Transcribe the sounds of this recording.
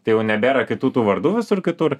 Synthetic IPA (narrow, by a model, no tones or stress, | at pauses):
t̪ɐɪjɛʊnʲɛbʲeːɾɐkʲɪt̪uːt̪uːʋɐrd̪uːʋʲɪsʊrkʲɪt̪ʊr